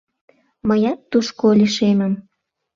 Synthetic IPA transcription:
məjɑt̪ːuʃkoliʃemə̆m

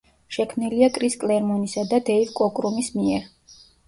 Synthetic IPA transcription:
ʃɛkʰmniliakʼɾiskʼlɛɾmɔnisad̪ad̪ɛivkʼɔkʼɾumismiɛɾ

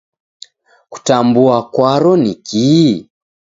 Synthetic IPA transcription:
ku̥tambuakwaɾɔniki

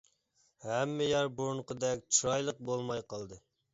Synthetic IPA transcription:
hɛmːɪjɑɾboɾɴqəd̪ɛkʲt͡ʃʰuɾɑjlˠəq̚bolˠmɑjqʰɑlˠd̪ɨ

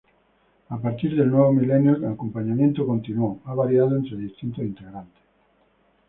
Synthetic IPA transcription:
apaɾt̪iɾðelnwoβomilenjoakompaɲamjẽnt̪okont̪inoaβaɾjað̞oent̪ɾeðist̪int̪oint̪eɣɾant̪e̥

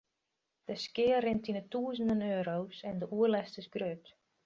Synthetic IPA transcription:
d̥əskɪərɪntinətuəzəndənøːɾowsɛndəʔuəlɛstəsɡrøt

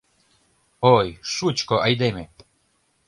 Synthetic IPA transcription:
ojʃut͡ɕkoʔajd̪eme

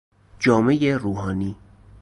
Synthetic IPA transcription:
d͡ʒɒːme̞jeɾuːɦɒːniː

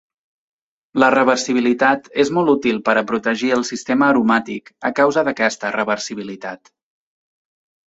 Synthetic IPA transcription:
lərəβərsiβ̞ilit̪at̪ezmɔlˠt̪ut̪ilˠpəɾəpɾut̪əʒiəlˠsist̪eməːɾumat̪ikəkawzəðəkɛst̪ərəβərsiβilit̪at̪

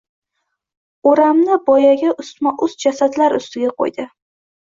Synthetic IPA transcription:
oɾamnɪbɒjaɡʲaʔʊsmaʔʊzd͡ʒasad̪laɾʊst̪ɪɡʲaqʰo̰jd̪ɪ

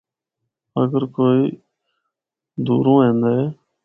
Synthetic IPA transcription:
ə̰ɡəɾkoːiː | d̪uːɾõːɦẽːnd̪aːeː

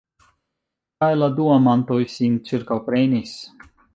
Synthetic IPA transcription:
kajlˠad̪uamant̪ojsʲinʲt͡siɾkawpɾenʲis

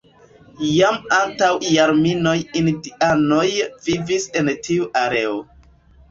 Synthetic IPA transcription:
jamantawjaɾmino̞jindiano̞jvivisentʰiuʔaɾe̞o

